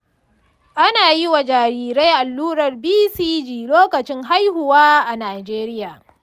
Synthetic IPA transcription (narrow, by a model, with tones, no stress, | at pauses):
ʔa˦naː˨jɪ˦wa˨d͡ʒaː˨ɾiː˨ɾe˦jʔa˨lːuː˦ɽɐ˨rbiː˦siː˦d͡ʒiː˨loː˦kɐ˨t͡ʃɪ˦ŋɦa˦jhʊ˨waː˦ʔa˨naː˨d͡ʒeː˦ɾɪ˦jaː˨